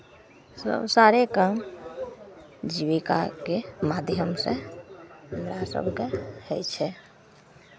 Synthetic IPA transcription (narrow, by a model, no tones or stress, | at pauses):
sə̰bsaɾekam | d͡ʒiβika̰kemad̪ʱjəmsḛ̃ | ɦəmɾasə̰bʱkehəjt͡ʃʰɛ